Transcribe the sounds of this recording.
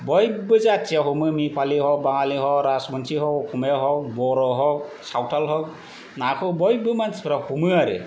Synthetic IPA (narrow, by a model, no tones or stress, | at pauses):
bɔjbɯzat͡ʃaɦɔmɯmipʰaliɦɔbaŋaliɦɔɾasmɔnsʰiɦɔkkʰumeɦɔk̚bɔɾɔɦɔk̚sawtʰalɦɔk̚ | nakʰɯbɔjbɯmanspʰɯɾahumɯaɾɯ̰